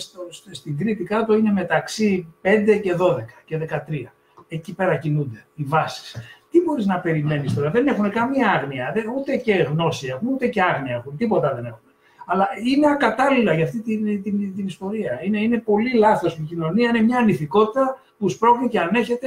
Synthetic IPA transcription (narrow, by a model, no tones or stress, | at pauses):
st̪osst̪iŋɡɾit̪ikɐt̪o̞ine̞me̞t̪ɐksipe̞nd̪e̞ce̞ðo̞ðe̞kɐ̥ce̞ðe̞kɐt̪ɾiɐ | ecipe̞ɾɐcinund̪e̞ivɐsi̥st̪ibo̞ɾiznɐpe̞ɾime̞nist̪oɾɐðe̞ne̞xune̞kɐmiɐɐɣniɐðeut̪e̞ce̞ɣno̞siexunut̪e̞ce̞ɐɣniɐexunt̪ipo̞t̪ɐðe̞ne̞xune | ɐlɐinekɐt̪ɐlilɐʝɐft̪it̪it̪int̪inist̪o̞ɾiɐine̞ine̞po̞lilɐθo̞smicino̞niɐinemɲɐːniθiko̞t̪it̪ɐ | puspɾo̞ɣniceɐne̞çe̞t̪e̞